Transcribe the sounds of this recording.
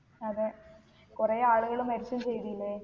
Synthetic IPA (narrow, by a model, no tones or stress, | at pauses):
ɐðe | kureːaːɭuɣɐɭumɐɾit͡ɕːɐmt͡ɕejðilːe